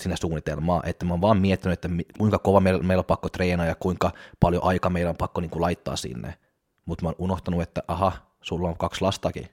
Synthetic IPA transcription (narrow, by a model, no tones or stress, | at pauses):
sinːæsuːnːit̪elmɑ̰ːʔet̪ːæmoːnʋɑːmmiet̪ːinyet̪ːæmikuiŋkɑkoʋɑmeilmeilopɑkːot̪reːnɑːjɑkuiŋkɑpɑljo̰ʔɑikɑmeilompɑkːoniːŋkulɑit̪ːɑ̰ːsḭnːḛ | mut̪moːnʔunoht̪ɑnuet̪ːæʔɑhɑ | sulːoŋkɑkslɑst̪ɑkḭ